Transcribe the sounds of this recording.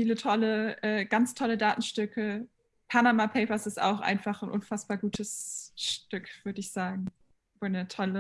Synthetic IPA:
fiːlətʰɔləʔɛːɡ̥ant͡stʰɔlədaːtn̩ʃtʏkʰə | pʰanamapʰeɪpɐsɪsta̰ʊxʔa̰ɪnfaχn̩ʔʊnfasb̥aːɐɡuːtʰəsʃtvʏkv̥ʏɐdəɪçz̥aːɡŋ̩ | voːnətʰɔlə

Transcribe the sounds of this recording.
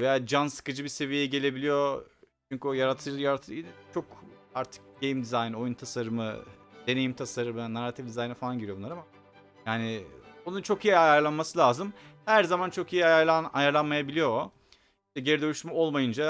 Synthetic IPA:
vejaːd͡ʒansɯ̥kɯd͡ʒɯbise̞vijeɛɟe̞lʲe̞bilʲijo̞t͡ʃʰyɲcyojaɾat̪ʰːɯjaɾat̪ʰɯt͡ʃʰo̞kaɾt̪ʰɯ̥k̚ɟejimd̪izajno̞junt̪ʰasaɾɯmɯ̰d̪e̞ne̞jimt̪ʰasaɾɯmɯnaɾat̪ʰifd̪izajnɛfalˠanɟiɾijounˠaɾama | jaːnɪbonunt͡ʃʰo̞kijiiajaɾlˠanmasɯlʲaːzɯmhæɾzamant͡ʃʰo̞kijiajaɾanajaɾlˠanmajabilʲijo̞ | iʃt̪ɛɟeɾid̪ølʲyʃmɛo̞lˠmajɯnd͡ʒa

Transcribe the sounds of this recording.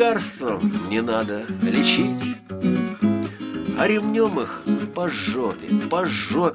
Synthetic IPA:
arst̪vəmnʲɪnad̪əlʲɪt͡ɕitʲ | ɐ̰ɾʲɪvnʲomɨxpɐʐːopʲɪ̰pɐʐːo

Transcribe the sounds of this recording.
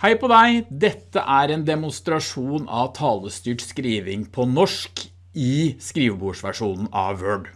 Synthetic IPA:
hæɪpʰɔd̪æɪd̪ɛt̪ːə̰ʔæɾeːnd̪ɛmʊnst̪ɾɑʂuːnɑ̰ʋt̪ʰɑːləst̪yːʈskɾiːʋɪŋpʰɔnɔʂk | ɪskɾiːʋbuːʂʋæʂuːnn̩ʔɑ̰ʋøːɖ

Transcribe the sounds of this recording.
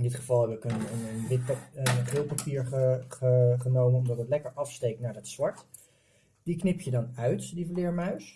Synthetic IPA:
ɪndɪtχəv̥ɑlˠɦɛbəɪkənənnʋɪt̚pχɪlˠpapiːɹəχəχənowmənɔmdɑtətlɛkəɹʔɑfstejk̚tnaːɹdətsʋɑɹt | d̥iknɪpjədɑnœɥtdivəlɪːɹmœɥs

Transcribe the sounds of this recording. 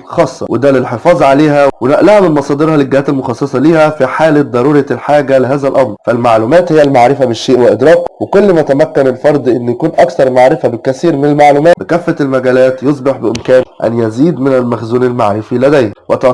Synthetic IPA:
xɑːsˤːɑ̰wed̪ælelħefɑːzˤʕaleːhæwenæʔlæhæmɪnmɑsˤɑːd̪eɾhɑleɡːɪhæːt̪elmoxɑsˤːɑsˤɑliːhæfiħaːled̪ˤɑɾˤuːɾelħaːɡæleɦæːzælʔɑmɾfælmaʕluːmæːt̪hejːælmaʕɾɪfæbeʃːeːʔwæʔɪd̪ɾˤɑːkwekolːmæt̪æmækːænelfɑɾˤd̪ˤʔenːjækuːnʔækθɑɾˤmaʕɾɪfæbekæsiːɾmɪnælmaʕluːmæːbekæfːæelmæɡæːlæːt̪josˤbeħbɪʔɪmkæːnʔæ̰njæziːd̪mɪnælmæxzuːnelmaʕɾɪfilæd̪æjæwæt̪ɑ

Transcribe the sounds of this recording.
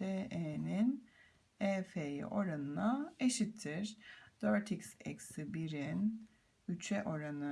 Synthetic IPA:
eenin | efejḭʔo̞ɾanɯnaeʃit̪ʰːiɾ̥d̪̥øɾt̪ʰicsɛ̰ksibiɾin | yt͡ʃʰɛʔo̞ɾanɯ

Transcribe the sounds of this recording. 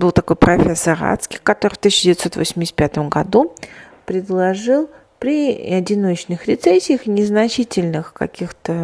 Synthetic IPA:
bɨlˠt̪ɐko̞jpɾɐfʲesəra̰t̪skʲɪ̥jkɐt̪o̞ɾɨft̪isʲːɪdʲɪvʲɪt̪so̞t̪vosʲmʲɪsʲt̪̚ʲpʲat̪əmɡɐd̪u | pɾʲɪd̪lˠɐʐɨlˠ | pɾʲɪɐdʲɪno̞t͡ɕnɨxɾʲɪt̪sesʲːɪjəxnʲɪznɐt͡ɕitʲɪlʲnɨxkɐ̰kʲixt̪ə

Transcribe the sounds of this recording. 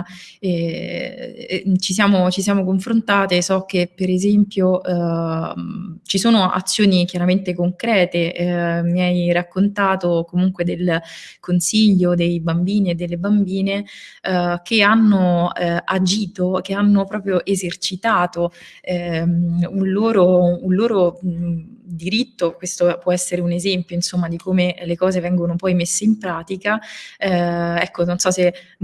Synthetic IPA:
ɛ | t͡ʃisjaːmot͡ʃisjaːmokoɱfɾont̪aːt̪esɔk̟ːepːeɾezɛmpjoʔ | t͡ʃisoːnoʔa̰t̪sːjoːnik̟jaɾament̪ekoŋkɾɛːt̪emiajrakːont̪aːt̪okomuŋkwed̪elkonsiʎːod̪ejbambiːneːd̪ːelːebambiːneɛk̟eanːoad͡ʒiːt̪okeanːopɾɔːpɾjoʔezert͡ʃit̪aːt̪oɛ | unloːɾounloːɾo | d̪iɾit̪ːokwest̪opwɔɛsːeɾeunezɛmpjoinsomːad̪ikomelekɔːzevɛŋɡonopɔjmesːeimpɾaːt̪ikaɛɛkːononsɔse

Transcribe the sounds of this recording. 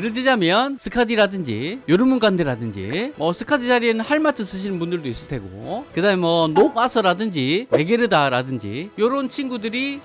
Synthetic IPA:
ɾɯd͡ʑid͡ʑamjʌnsʰɯkʰadiɾadɯnd͡ʑḭjoɾɯmunɡandɯɾadɯnd͡ʑḭmʌsʰɯkʰadid͡ʑaɾienɯnhaɭmatʰɯs͈ɯɕ̬ʰinɯnbundɯɭdois͈ɯɭtʰe̞ɡo̰kɯdaɯmemʌnopasʰʌɾadɯnd͡ʑiwe̞ɡeɾɯdaɾadɯnd͡ʑḭjoɾont͡ɕʰinɡudɯɾi

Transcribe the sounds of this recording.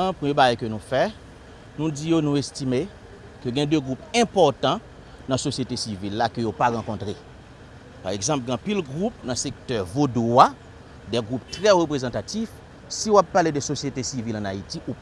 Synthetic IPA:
pʁimjebaɡajkønũfɛ | nũd͡zijonũestime | køɡɛ̃d̪øɡʁupɛ̃pɔʁt̪ɑ̃ | nãsosjet̪esivilːakøjopaʁãkɔ̃t̪ʁe | paʁeɡzɑ̃pɡ̃ãpilɡʁupnãsek̚t̪œʁvoda | dɛɡʁuptʁɛʁøpʁezɑ̃t̪atif | siowapːaledəsosjet̪esivilãnaitiʔup

